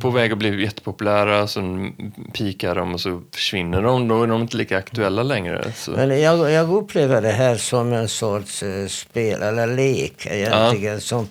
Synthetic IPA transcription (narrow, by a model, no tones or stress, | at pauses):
pʰɔvɛːɡɔblijɛt̪ːə̥pʰʊpɵlæːɾaɔsɛnpʰiːkaɖɔmɔsɔfœ̥ʂvɪnːəɖɔmd̪ɔæɖɔmɪnt̪əliːkaakt̪ʉɛlːalɛŋɾə̰sɔ̰mɛnjɑːɡjɑːɡɵpːleːvəɖɛɦæːɾsɔmɛnsɔʈʂspeːlʔɛlːəɾleːkʰɛ̰jɛnt̪ːɪɡənsɔm